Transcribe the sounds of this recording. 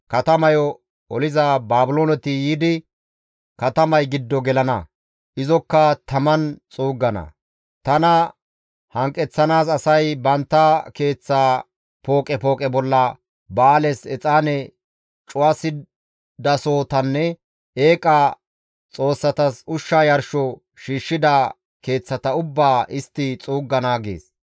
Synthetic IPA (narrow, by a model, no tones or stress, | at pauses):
kɐt̪ɐmɐjɔ | ɔlɪzabaːbʊloːnɛt̪ɪjiːd̪ɪ | kɐt̪ɐmɐjɡɪd̪ːɔɡɛlɐnɐ̰ | ʔɪzɔkːɐt̪ɐmɐnt͡sʼuːɡːɐnɐ̰ | t̪ɐnɐ | hɐŋkʼːɛt͡sːɐnaːsɐsɐjbɐnt̪ːɐke̞ːt͡sːaː | po̞ːkʼɛpo̞ːkʼɛbɔlːɐ | baːlɛsɛt͡sʼaːnɛ | t͡ʃʼʊwɐsɪ | d̪ɐso̞ːt̪ɐnːɛ | eːkʼɐ | t͡sʼo̞ːsːɐt̪ɐsʊʃːaːjɐɾʃɔ | ʃiːʃːɪd̪ɐ | ke̞ːt͡sːɐt̪ɐʊbːaːʔɪst̪ːɪt͡sʼuːɡːɐnaɡḛːs